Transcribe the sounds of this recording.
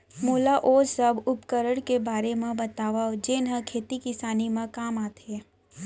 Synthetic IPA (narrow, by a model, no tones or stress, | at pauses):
moːlaʔoːsəbʊpkəɾəɽ̃kebaːɾemẽbɐt̪aːʋad͡ʒeːnɦə̃kʰeːt̪ikɪsaːnimẽkaːmaːt̪ʰeː